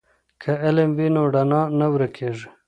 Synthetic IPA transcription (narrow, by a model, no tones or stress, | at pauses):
kʰɐelemwinoɖanaːnɐwɾekʰeːʐi